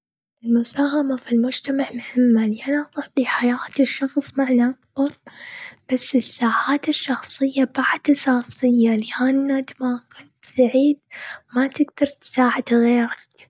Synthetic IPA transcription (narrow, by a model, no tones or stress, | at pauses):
ʔʔɪlmʊsaːɦamafilmʊd͡ʒt̪amaʕmʊhɪmːaliʔanaʔt̪ˤɑʕt̪ˤiħajaːt̪ɪʃːɑxsˤmaʕnaʔak̚b̥ɑɾˤb̥asːɪsːaːʕaːt̪ɪʃːɑxsˤɨjːabaʕd̪̥ʔɑsɑːsˤɨjːaliʔanːat̪makʊnt̪saʕiːd̪̚mat̪ɪɡd̪ɑɾˤt̪saːʕɪd̪̥ɣeːɾak̚